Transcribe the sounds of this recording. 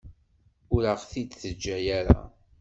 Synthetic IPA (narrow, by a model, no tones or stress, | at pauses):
ʊɾəʁθid̪θəd͡ʒːæjæɾa̰